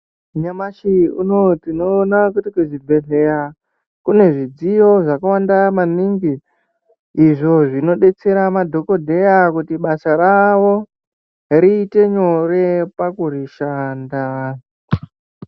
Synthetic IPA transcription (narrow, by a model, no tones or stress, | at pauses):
ɲamaʃiuno̞tino̞ːnakutikuzibʱe̞ɮe̞ja | kune̞ʐid͡zijo̞ʐakawandamaniŋɡiː | ʐo̞ʐino̞ɗe̞t͡se̞ɾamadʱo̞ko̞dʱe̞jakutiɓasaɾaʋo̞ | ɾiːte̞ɲo̞re̞pakuriʃaːnda